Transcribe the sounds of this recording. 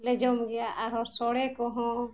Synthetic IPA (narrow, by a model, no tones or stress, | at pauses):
lɛd͡ʒɔmɡɛjaʔaɾɔɾsɔɽɛkɔɦɔ̃